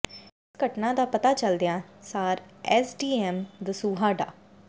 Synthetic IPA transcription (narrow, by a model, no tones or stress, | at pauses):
ɪsɡəʈnãːd̪aːpət̪aːt͡ʃəld̪ejãːsaːɾɛːsɖiːɛːmd̪əsuːɦaːɖaː